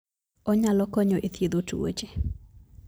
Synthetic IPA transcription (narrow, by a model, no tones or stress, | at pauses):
ɔɲalɔkɔɲɔʔet̪jed̪otuo̰t͡ʃe